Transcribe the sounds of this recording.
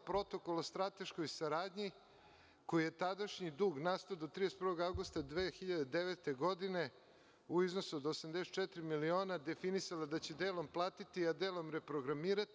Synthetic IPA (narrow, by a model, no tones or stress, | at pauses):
pɾo̞t̪o̞ko̞lost̪ɾat̪e̞ʃko̞jsaɾaːd̪ɲi | ko̞jijet̪ad̪aʃɲid̪uːɡnaːst̪od̪ot̪ɾid̪est̪pɾʋo̞ɡawɡust̪ad̪ʋeːxiʎad̪ed̪eʋet̪e̞ɡo̞d̪ine̞ | uiznosuod̪osamd̪eset̪̚t͡ʃɛt̪ɾimilio̞ːnad̪e̞finisalad̪at͡ɕed̪eːlo̞mplˠaːt̪it̪iad̪eːlo̞mɾe̞pɾo̞ɡɾamiːɾat̪i